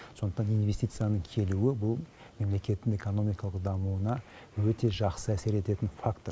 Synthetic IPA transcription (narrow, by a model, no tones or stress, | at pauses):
sso̞nd̪əqt̪ɑnijnvest̪ijt̪sɨjanəŋkʲʰe̞luwɪbʊlˠ | me̞mle̞kʲe̞t̪ːɪŋe̞ko̞no̞mijkɑlˠəqd̪ɑmuənɑ | wɵt̪e̞ʒɑqsəæse̞ɾe̞t̪e̞t̪ɪnfakt̪o